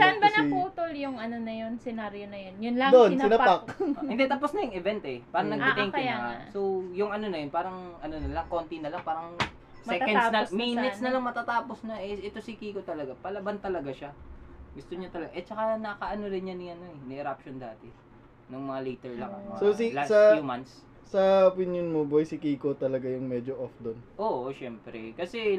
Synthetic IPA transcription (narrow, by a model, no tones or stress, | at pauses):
sanbɐnɐpuːt̪oljʊŋɐnonɐjonsɛnaɾjonɐjonjʊnlɐŋoonnsɪnɐakːɪnd̪ɛt̪ap̬osnɐjʊŋɛvɛnt̪ʔɛpaːɾɐŋnɐɡɐʔ̪ɛŋkɐjaasojʊŋɐno̞nɐjonpaːɾɐŋʔɐnonɐlaŋko̞nt̪inɐlaŋpaːɾɐŋ | smɛkɛsnɐsmiːnɪsnɐlɐŋmɐt̪at̪aːpo̞snɐʔɛʔɛt̪osikikot̪ɐlɐɡapɐlɐbant̪ɐlɐɡaʃaɡʊst̪oɲat̪ɐlɐɡaʔɛt͡ʃɐkanɐkɐʔɐnoɾɪnɲaniʔɐno̞ɛnɛʔɛɾapʃond̪aːt̪ɛ | nɐŋmɐŋalɛjt̪ɛɹlɐ̰ŋɐososilassɐjumant̪s | sɐopinjonmobojsɪkiːkot̪ɐlɐɡajʊŋmɛd͡ʒoʔofd̪onʔo̞ːʔoʃɛmpɾɛ̰kɐsɛ